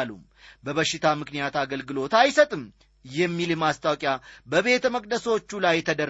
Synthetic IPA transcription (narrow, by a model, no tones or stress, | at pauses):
lṵm | bəβəʃːɪt̪ʰamɨknijat̪aɡəlɡɨlo̞t̪ajsət̪ʼɨm | jɛmːilɨmast̪ʰawkʼjabəβe̞t̪ʰəməkʼd̪əsəwot͡ʃːulajːɛt̪ʰəd̪ər